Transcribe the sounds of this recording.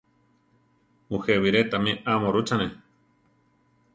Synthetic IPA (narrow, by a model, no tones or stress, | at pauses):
ũheβiɾet̪amĩʔamoɾut͡ʃane